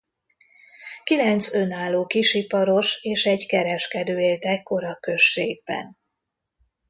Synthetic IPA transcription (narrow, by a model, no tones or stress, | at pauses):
kilɛnt̪sø̞naːlːoːkiʃipɒɾo̞ʃeːʃɛɟkɛɾɛʃkɛd̪øːeːlt̪ɛkːo̞ɾɒkø̞ʃːeːɡ̚bɛ̰n